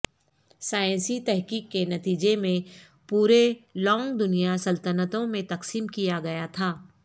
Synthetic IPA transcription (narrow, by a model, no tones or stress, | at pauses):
saːj̃nsit̪ɛɦkiːkːenɐt̪iːd͡ʒemẽ | puːɾelɔ̃ːŋɡd̪ʊnijasɐlt̪ənət̪õmẽt̪ɐqsiːmkijaɡɐjat̪ʰaː